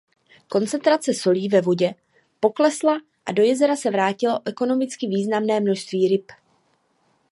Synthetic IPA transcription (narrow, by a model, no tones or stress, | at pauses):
ko̞nt͡sɛnt̪ɾat͡sɛso̞liːvɛvoɟɛ | po̞klɛsla | ʔado̞jɛzɛɾasɛvɾaːcɪloʔɛko̞no̞mɪt͡skɪviːznamnɛːmno̞ʃst̪viːɾɪp